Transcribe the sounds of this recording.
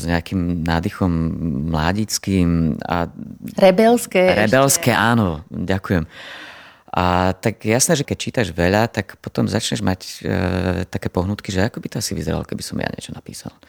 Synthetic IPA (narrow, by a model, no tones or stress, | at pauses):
zɲɛakimnaːd̪ixɔmːla̰ːɟit͡skiːma̰ɾɛbɛlskɛːɾɛbɛlskɛʔaːnɔɟakujɛm | at̪akjɛjasnɛːʒɛkɛc̚t͡ʃiːt̪aʒʋɛʎat̪akpɔt̪ɔmzat͡ʃɲɛʒmac | t̪akɛːpɔɦnuːt̪̚kiʒɛakɔbit̪ɔasiʋḭzɛɾa̰lkɛbisɔmja̰ɲɪɛ̰t͡ʃɔnapḭːsa̰l